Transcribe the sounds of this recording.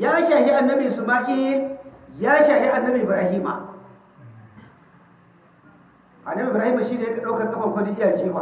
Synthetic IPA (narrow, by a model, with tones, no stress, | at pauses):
jaː˦ʃa˨hi˦ʔa˨nːɐ˦bi˨su˨maː˦ʔi˦ljaː˦ʃaː˨hi˦ʔa˨nːɐ˦bi˨bɾaː˨˦hiː˦ma̰˨ | ʔa˨nːɐ˦bi˨ɾaː˦hi˦mːa˨ʃi˦da˨jɐ˦kʲa˨ɗa˦wkɐ˨kʼɐ˦ɸɐ˨ŋkʷo˦di˦ʔjaː˨t͡ʃiː˦wa˨